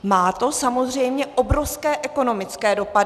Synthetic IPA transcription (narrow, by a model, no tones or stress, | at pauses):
maːt̪o̞samo̞zrɛjmɲɛʔo̞bɾofskɛːʔɛko̞no̞mɪt͡skɛːdo̞padɪ